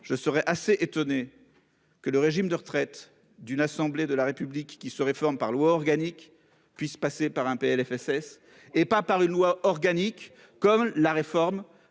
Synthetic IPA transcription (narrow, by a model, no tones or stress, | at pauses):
ʒ̥əsəʁɛʔaseʔet̪ɔne | kələʁeʒimd̪əʁət̪χɛt̪ | d̪ynasɑ̃bled̪əlaʁepyblikːisəʁefɔʁmpaʁlwaɔʁɡanik | pɥispasepaʁɛ̃peɛlɛfɛsɛs | epapaʁynlwaɔʁɡanikː | ɔmlaʁefɔʁm